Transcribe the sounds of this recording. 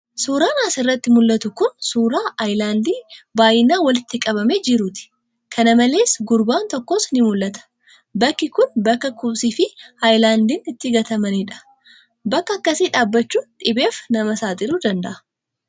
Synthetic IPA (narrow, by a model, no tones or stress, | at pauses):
suːɾaːnaːsɪrːɐt̪ːɪmʊlːɐt̪ʊkʊnsuːɾaːʔɐjlaːnd̪iːbaːjɪnaːwɐlɪt̪ːɪkʼɐβɐmeːd͡ʒɪɾʊt̪ɪ̥ | kʰɐnɐmɐle̞ːsɡʊɾbaːnt̪ɔkːo̞ːsnɪmʊlːɐt̪ɐ̥ | bɐkːɪkʊnbɐkːɐkʊbsiːfɪajlaːnd̪iːnɪt̪ːɪɡɐt̪ɐmɐniᶑɐ̥ | bɐkːɐːkːɐsiːᶑaːbːɐt͡ʃːuːnᶑ̪ɪbeːfnɐmɐsaːt̪ɪɾuːd̪ɐnd̪ɐʔɐ̥